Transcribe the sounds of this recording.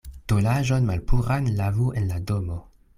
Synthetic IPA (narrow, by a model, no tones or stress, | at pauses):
d̥olaʒonmalpʰuɾanlavuenladomo